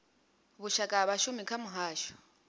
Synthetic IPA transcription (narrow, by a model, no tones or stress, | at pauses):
βʊʃakʼaβaʃʊmikʰamʊɦaːʃɔ̥